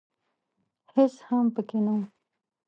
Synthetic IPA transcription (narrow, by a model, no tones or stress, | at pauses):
hɪshampəkena